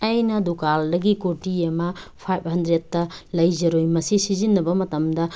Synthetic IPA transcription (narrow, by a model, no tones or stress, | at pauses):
ɐjnɐdukaldɐɡikotiɐmɐpʰajp̚hɐndɾed̚ːɐlɐjzɐɾojmɐsisizinːɐbɐmɐtɐmdɐ